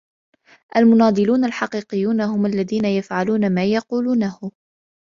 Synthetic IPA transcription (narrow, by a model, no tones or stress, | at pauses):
ʔalmʊnɑːd̪ˤɨluːnalħɑqiːqɪjːuːnahʊmalːaðiːnajafʕaluːnamaːjɑquːluːnahʊ